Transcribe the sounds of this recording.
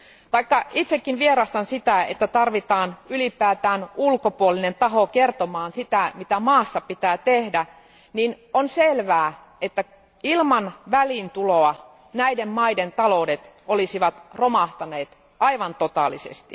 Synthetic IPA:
t̪ɑikːɑit̪sekːinʋieɾɑst̪ɑnsit̪æḛt̪ːæt̪ɑrʋit̪ɑːnylipæːt̪æːnulkopuoline̞nt̪ɑɦokert̪omɑːnsit̪æmit̪æmɑːsːɑpit̪æːt̪ehdæ | nin | onselʋæː | et̪ːæ | ilmɑnʋælint̪uloɑ | næidemmɑident̪ɑloudet̪ | olisiʋɑt̪romɑht̪ɑneːt̪ | ɑiʋɑnt̪ot̪ɑːlisḛst̪ḭ

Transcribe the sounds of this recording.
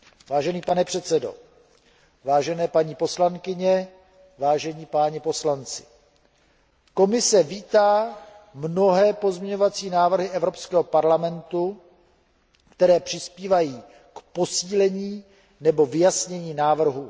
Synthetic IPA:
vaːʒɛniːpanɛpr̥ɛt̪t͡sɛdo̞̰ | vaːʒɛnɛːpaɲiːpo̞slaŋkɪɲɛ | vaːʒɛɲiːpaːɲɛpo̞slant͡sɪ̥ | ko̞mɪsɛviːt̪aːmno̞ɦɛːpo̞zmɲɛɲo̞vat͡siːnaːvr̩ɦɪʔɛvɾo̞pskɛːɦopaɾlamɛnt̪u | kt̪ɛɾɛːpr̥ɪspiːvajiː | kpo̞siːlɛɲiː | nɛbo̞vɪjasɲɛɲiːnaːvr̩ɦu

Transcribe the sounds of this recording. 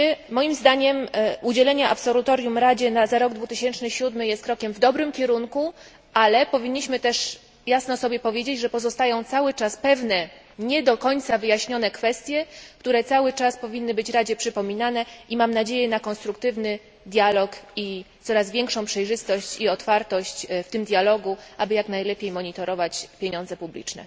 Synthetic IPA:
mɔjimzd̪aɲɛmud͡ʑɛlɛɲaʔa̰psɔlut̪ɔɾʲjumɾad͡ʑɛnazaɾɔɡd̪vut̪ɘɕɛnt͡ʂnɘɕud̪mɘjɛst̪̚kɾɔkʲɛmvd̪ɔbɾɘmkʲɛɾuŋku | ʔalɛpɔvʲiɲːiɕmɘt̪ɛʂ | jasnɔsɔbʲjɛpɔvʲjed͡ʑed͡ʑʐɛpɔzɔst̪ajɔ̃w̃t̪sawɘt͡ʂaspɛvnɛ | ɲɛd̪ɔkɔɲt̪savɘjaɕɲɔnɛkfɛst̪ʲjɛkt̪uɾɛt̪sawɘt͡ʂaspɔvʲinːɘbɘt͡ɕɾad͡ʑɛpʂɘpɔmʲinanɛimamnad͡ʑejɛnakɔnst̪ɾukt̪ɘvnɘ | d̪ʲjalɔkit̪sɔɾazvʲɛŋkʂɔ̃w̃pʂɛjʐɘst̪ɔɕt͡ɕiɔt̪faɾt̪ɔɕt͡ɕft̪ɘmd̪ʲjalɔɡuʔabɘjaknajlɛpʲjejmɔɲit̪ɔɾɔvat͡ɕpʲjeɲɔ̃nd̪zɛpublʲḭt͡ʂnɛ̰

